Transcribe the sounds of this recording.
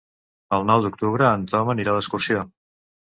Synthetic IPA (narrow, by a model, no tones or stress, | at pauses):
əlˠnɔwd̪uk̚t̪uβɾəːnt̪ɔməniɾaləskursijo